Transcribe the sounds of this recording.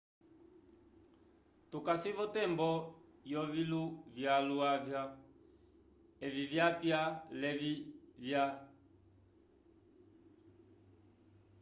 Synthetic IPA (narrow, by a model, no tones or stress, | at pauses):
tukasivɔtɛmbɔjɔviluvjaluavja | ɛvivjapjalɛvivja